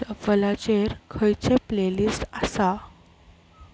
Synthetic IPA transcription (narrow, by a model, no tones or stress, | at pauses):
ʋəlat͡ɕeɾkʰəjt͡ɕeplelist̪asa